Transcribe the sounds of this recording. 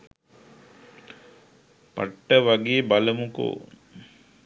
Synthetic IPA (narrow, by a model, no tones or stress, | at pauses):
pa̰ʈːəʋaɡeːbaləmuko̰ː